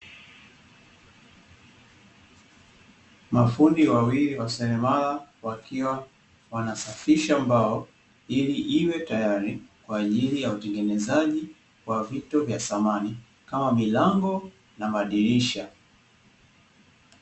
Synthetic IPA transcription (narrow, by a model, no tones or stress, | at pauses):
mafundiwawiliwasɛɾɛmalawakiwa | wanasafiʃaːmbaɔ | iliʔiwɛtajaɾikwaːʄilijautɛŋɡɛnɛzaʄi | wavitɔvjasamani | kamamilaŋɡɔ | namaɗiliʃa